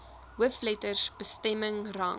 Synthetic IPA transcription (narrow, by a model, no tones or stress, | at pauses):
ɦəflɛtərsb̥əstɛməŋrɑ̰ŋ